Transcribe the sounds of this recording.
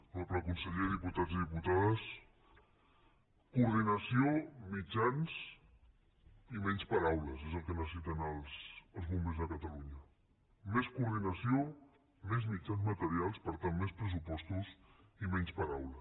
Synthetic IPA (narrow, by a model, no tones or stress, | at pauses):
lopləkunsəʎeðiput̪aziðiput̪aðəs | kuɾðinəsiomid͡ʒanz | imɛɲspəɾawləsezəlˠkənəsəsit̪ənəlˠsəlˠzmumbenzðəkət̪əluɲə | meskuɾðinəsio | mezmid͡ʒanzmət̪əɾialˠspəɾt̪anmespɾəs̬upɔst̪uz | imɛɲspəɾawlə